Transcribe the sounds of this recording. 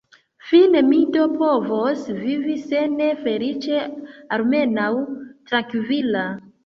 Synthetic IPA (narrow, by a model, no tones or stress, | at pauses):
finemido̞po̞vosvivisene̞fe̞lit͡ʃe̞alme̞nawtɾaŋkvila